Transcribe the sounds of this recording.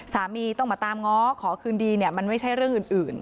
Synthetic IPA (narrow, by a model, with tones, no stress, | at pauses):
saː˩˦miː˧t̪ɔ˥˩ŋmaː˧˩t̪aː˧mŋɔː˦˥kʰɔː˩˦kʰɯː˧ndiː˧ni˥˩əma˧nma˥˩jt͡ɕʰa˥˩jɾɯ˥˩əŋʔɯː˨˩nʔɯː˨˩n